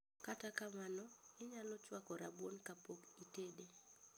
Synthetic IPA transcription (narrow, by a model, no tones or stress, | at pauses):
katakamanɔɪɲalɔt͡ʃwakɔɾabwonkapokitede